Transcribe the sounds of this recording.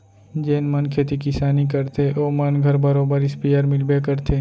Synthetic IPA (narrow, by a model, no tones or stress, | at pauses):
d͡ʒeːnmənkʰeːt̪ikɪsaːnik̬ɐɾt̪ʰeʔoːmənɡʱəɾbəɾoːbəɾɪspijəɾmɪlbekəɾt̪ʰeː